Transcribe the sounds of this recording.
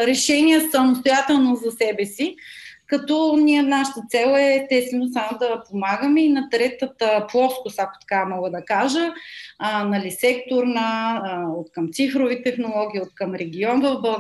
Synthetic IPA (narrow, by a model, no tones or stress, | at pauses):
ɾɛʃɛniɛsəmost̪ojat̪ɛlˠnozɐsɛbɛsikɐt̪ɔnʲiənaʃə̥t̪ət̪sɛlˠɛt̪ɛsinosamod̪ɐpomaɡəmɛinɐt̪ɾɛt̪ət̪əplˠɔskʊsako̥t̪ɐ̥kamɔɡəd̪ɐkaʒə | nɐlisɛkt̪oɾnəot̪kɐmt̪sifɾovit̪ɛxnolˠɔɡ̟ʲiːot̪kəmɾɛɡ̟ʲiɔnvɐvbɐlˠ